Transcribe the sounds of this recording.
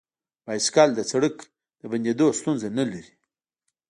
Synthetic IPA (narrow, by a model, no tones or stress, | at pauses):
pajskɑld̪ət͡saɽək | d̪̥əband̪ed̪ost̪unzanalaɾi̥